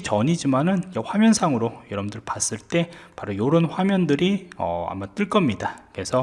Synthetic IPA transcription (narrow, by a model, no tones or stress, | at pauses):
t͡ɕʌɲid͡ʑimanɯnd͡ʑeɸwamjʌnsʰaŋɯɾojʌɾʌbndɯɭpas͈ɯɭt͈e̞paɾojoɾonɸwamjʌndɯɾiʌ̰a̰mːant͈ɯɭk͈ʌmɲidakɯe̞sʰʌ